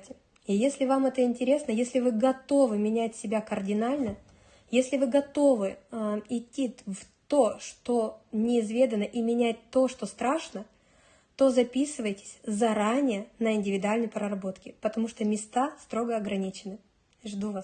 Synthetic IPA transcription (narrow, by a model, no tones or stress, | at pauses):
tʲɪ | ɪjesʲlʲɪvamɛt̪əɪnʲtʲɪɾʲe̞snəjesʲlʲɪvɨɡɐt̪o̞vɨmʲɪnʲætʲsʲɪbʲakərdʲɪnalʲnə | jesʲlʲɪvɨɡɐt̪o̞vɨɪtʲːiv | t̪oʂt̪o̞nʲɪːzvʲe̞d̪ənəʔimʲɪnʲæt̚ʲt̪o̞ʂt̪o̞st̪ɾaʂnə | t̪o̞zɐpʲisɨvəjtʲɪ̥sʲzɐɾanʲɪjənəɪnʲdʲɪvʲɪd̪ʊalʲnəjpɾərɐbo̞t̪kʲɪpət̪ɐmuʂt̪o̞mʲɪst̪ast̪ɾo̞ɡəɐɡɾɐnʲit͡ɕɪnɨ | ʐd̪uvas